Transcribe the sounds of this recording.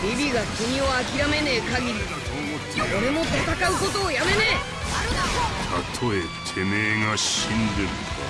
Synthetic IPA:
ɾʲibʲiɡakʲɯɲ̟io̞akʲiɾame̞neːkaɡʲiɾʲi | oɾe̞mo̞t̪at̪akaɯ̟ko̞t̪o̞ːjame̞neː | t̪ʰat̪ʰo̞e | t̪ʰe̞neːŋaɕĩnd̪eɾɯ

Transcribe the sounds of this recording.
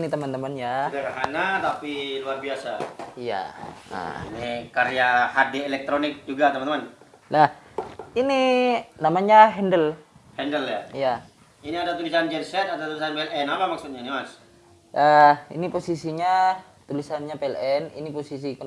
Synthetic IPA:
nit̪əmənt̪əmənjadaɾaɦanat̪apiluarbiasaija̰ə̰inikaɾiahadeelɛk̚t̪ɾonɪk̚d͡ʒuɡat̪əmanəmanlahininamaɲaɦɛndəlhɛndəljaija | iniadat̪ulisand͡ʒɛnsɛt̪ad̪awt̪ulisanpeɛlɛnapamak̚sut̪̚ɲanimas | ʔəḭniposisiɲa | t̪ulisanɲapeɛlɛnḭniposis̬ikə

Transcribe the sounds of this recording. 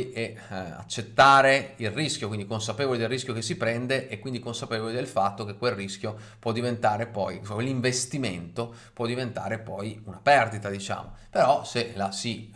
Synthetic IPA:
ʔɛ | a̰t͡ʃːet̪ːaːɾeilrisk̟jokwind̪ikonsapeːvolid̪elriskʲjokesːipɾɛnd̪eʔɛkwind̪ikonsapevolid̪elfat̪ːok̟ekːwelrːiskjo | pwɔd̪ːivent̪aːɾepɔjkwelːiɱvest̪iment̪o | pwɔd̪ːivent̪a̰ːɾepɔjunapɛrd̪it̪ad̪it͡ʃa̰ːmo̰peɾɔselasi

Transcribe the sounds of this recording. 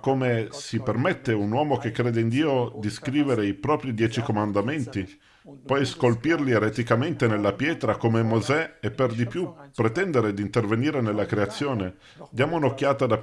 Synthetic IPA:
kːomesipermɛt̪ːeunwɔːmok̟ekːɾeːd̪eind̪iːod̪iskɾiːveɾeipɾɔːpɾid̪jɛːt͡ʃikomand̪ament̪i | pɔjskolpirlieɾet̪ikament̪enelːapjɛːt̪ɾakomemozɛepːerd̪ipjupːɾet̪ɛnd̪eɾed̪int̪erveniːɾenelːakɾeat̪sːjoːne | d̪jaːmounokːjaːt̪ad̪a

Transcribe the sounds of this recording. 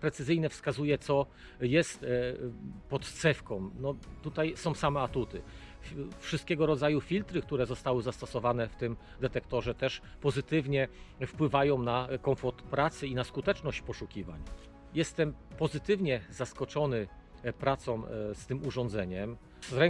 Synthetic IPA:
pɾɛt̪sɘzɘjnɛfskazujɛt̪sɔ | jɛst̪ | pɔt̪t̪sɛfkɔ̃w̃mnɔt̪ut̪ajsɔ̃w̃samɛat̪ut̪ɘ | fʂɨst̪kʲɛɡɔɾɔd̪zajufʲilt̪ɾɘk̚t̪uɾɛzɔst̪awɘzast̪ɔsɔvanɛft̪ɘm | d̪ɛt̪ɛkt̪ɔʐɛt̪ɛʂ | pɔzɘt̪ɘvɲɛfpwɘvajɔ̃w̃nakɔmfɔɾt̪pɾat̪sɘinaskut̪ɛt͡ʂnɔɕt͡ɕpɔʂukʲiva̰ɲ | jɛst̪ɛmpɔzɘt̪ɘvɲɛzaskɔt͡ʂɔnɘ | pɾat̪sɔ̃w̃st̪ɘmuʐɔnd̪zɛɲɛm | ɾɛŋ

